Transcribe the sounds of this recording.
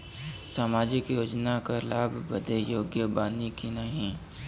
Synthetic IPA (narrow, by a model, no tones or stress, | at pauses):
samaːd͡ʒɪkjoːd͡ʒnakalaːbʱbəd̪ejoːɡjəbaːnikinɐɦĩ